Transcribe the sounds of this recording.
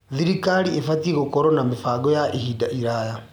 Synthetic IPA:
ðiɾikaɾiefatieɣokɔɾɔnamefaːɡɔjaʔehidaʔiɾaja

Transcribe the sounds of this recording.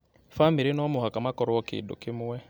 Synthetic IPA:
famiɾinɔmʊɦakamakɔɾɔɔkɪ̰ːdo̰kɪmʊwɛ

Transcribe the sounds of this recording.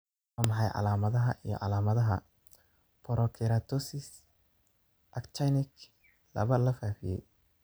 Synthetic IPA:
wːmɑħɑjʕɑ̰laːmɐðɐɦɐ̰ʔijɔ̰ʕɑ̰laːmɐðɐɦɐ̰ | pʰɔɾʔɔkʰɪɾaːt̪ʰɔsɪs | ʔɐkt͡ʃajnɪk | lɐ̰βɐlɐfaːfijɛ̰j

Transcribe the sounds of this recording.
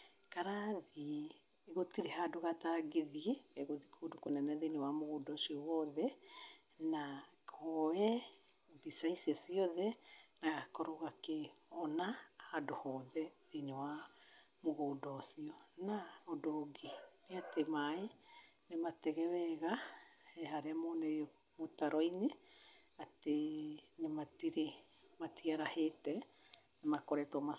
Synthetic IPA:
kaɾaðiː | ɣotiɾehadoɣataɡeðiɛeɣoðikʰodokonɛnɛðenewamoɣodɔsiɔwɔðɛ | nakʰɔɛ | bisaisiɔsiɔðɛnaɣakɔɾoɣakeɔnahadohɔðɛðenewa | moɣodɔsiɔnaɔdoɡineatemae | nematɛɣɛwɛɣaɛɦaɾeamonɛɔ | motaɾɔine | atenematiɾe | matiaɾahetɛ | nemakɔɾɛtoma

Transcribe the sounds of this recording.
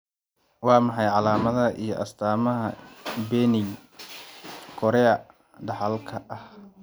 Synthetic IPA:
wɑːmɑħɑjʕɑlaːmɐðɐʔijɞʔɐst̪ʰaːmɐɦɐbɛːnɪj | kʰɔɾɛɐ | ɖɐħɐlkʰɐʔɐh

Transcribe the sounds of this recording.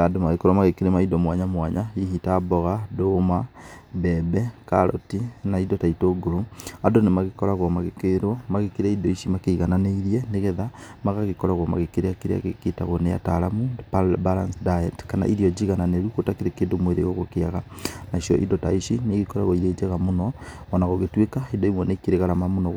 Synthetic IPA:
adomaɣekɔɾamaɣekeɾemaidɔmwaɲamwaɲaiɦitabɔɣadomabɛbɛkaɾɔ̰tinaidɔtaitoːɡoɾoadonemaɣekɔɾaɣwɔmaɣekeɾwɔmaɣekeɾaidɔiʃimakeiɣananeiɾiɛneɣɛðamaɣaɣekɔɾaɣwɔma̰ɣekeɾeakeɾea̰ɣeketa̰ɣoneja̰taɾamupbalansdaɛtkana̰ʔiɾiɔd͡ʒiɣananeɾukotakeɾekeːndomweɾḛɣoɣokeaɣanaʃjɔʔḭdɔtaiʃineɣekɔɾaɣɔiɾed͡ʒaɣamonɔɣɔnaɣoɣetwekaidɔimwɛnekeɾeɣaɾamamonɔɣ

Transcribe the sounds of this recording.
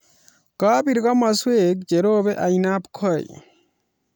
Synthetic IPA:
kapiɾɡamasuek̚d͡ʒeɾobeʔajnapkʰɔj

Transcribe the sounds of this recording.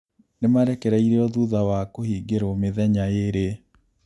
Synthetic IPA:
nemaɾɛkɛɾɛiɾeɔðuðawakohiːɡeɾomeðɛɲajeɾe

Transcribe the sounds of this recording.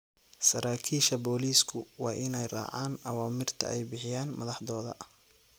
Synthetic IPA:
sɐɾaːkʰiːʃɐbɔːliːskʰʊwɑːʔɪnɛjrɑ̰ːʕaːnʔɐwaːmɪrt̪ʰɐ̰ɛjbɪħɪjaːnmɐðɑħðɔːðɐ̰

